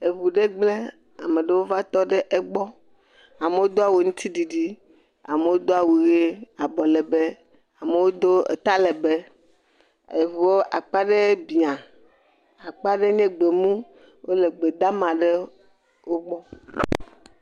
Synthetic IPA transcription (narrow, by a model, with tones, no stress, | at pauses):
e˨vu˨ɖe˦ɡ͡ble˦ | a˨me˨ɖe˨wo˦va˦t̪ɔ˦ɖe˦ʔe˦ɡ͡bɔ˦ | a˨me˨wo˦d̪o˦a˨wo˨ŋũ˦t̪i˦ɖi˨ɖi˦ | a̰˨me˨wo˦d̪o˦a˦˨wu˨ɣe˦a˨bɔ˨le˨be˦ | a˨me˨wo˦d̪o˦ḛ˨t̪a˦le˨be˦ | e˨vu˨wo˦ʔa˨k͡pa˦ɖe˦bi˨a˨ | a˨k͡pa˦ɖe˦ɲẽ˦ɡ͡be˨mũ˦ | wo˦le˨ɡ͡be˨d̪a˦mã˨ɖe˦ | wo˦ɡ͡bɔ˦